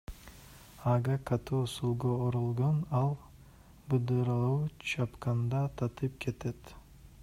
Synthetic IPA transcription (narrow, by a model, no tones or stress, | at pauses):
ɑɡakat̪usulˠɡooɾolˠɡonɑlˠ | bɯd̪ɯɾɑlˠuːt͡ʃʰɑpkɑnd̪ɑt̪ʰɑt̪ʰɯp̚kʰet̪et̪